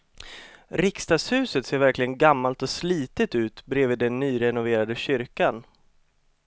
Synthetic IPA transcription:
ɾɪkst̪ɑːɡshʉ̟ːsət̪seːɾvæɾklɪɡənɡamːalt̪ɔsliːt̪ət̪ʉ̟ːt̪bɾeːviːd̪ːɛnːyːɾɛnʊveːɾad̪əɕʏɾkan

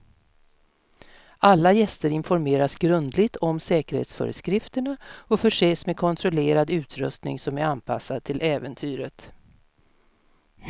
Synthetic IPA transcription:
ʔalːajɛst̪əɾɪnfɔɾmeːɾasɡɾɵnd̪lɪɡ̚t̪ʰɔmsɛːkəɾhḛt̪sfœ̰ːɾə̰skɾɪft̪əɳaɔfœʂeːsmekʰɔnt̪ʰɾɔleːɾad̪ʉ̟ːt̪ʰɾɵst̪nɪ̰ŋsɔmæɾanpʰa̰sːad̪̚t̪ʰɪlʔɛːvənt̪ʰyːɾət̪

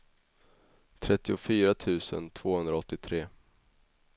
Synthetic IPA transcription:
t̪ʰɾɛt̪ːɪʊfyːɾat̪ʰʉ̟ːsə̰nt̪ʰv̥oːhɵnd̪ɾaɔt̪ːɪt̪ʰɾeː

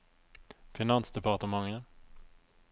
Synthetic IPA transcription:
fɪnansd̪ɛpaʈəmaŋːən

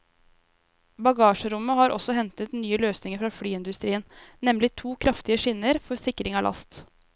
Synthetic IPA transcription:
bɑɡɑːʂəɾʊmːəhɑːɾʔɔ̰sɔɦɛnt̪ət̪nyːəløːsnɪŋəɾfɾɑfɽyːɪnd̪ʉst̪ɾiːənnɛmlɪt̪ʰuːkʰɾɑft̪ɪəʂɪnːəɾfɔɾsɪkːɾɪŋɑːlɑ̰st̪

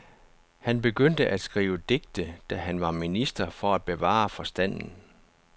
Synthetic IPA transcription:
hænb̥e̝ɡ̥øn̰d̥əʔæd̥sɡ̥ʁḭːʊəd̥eɡ̥̚d̥əd̥æɦænʋɑ̈minisd̥ɐfɒ̽æd̥̚b̥e̝ʋɑ̰̈ːfɒ̽sd̥æn̰n̩

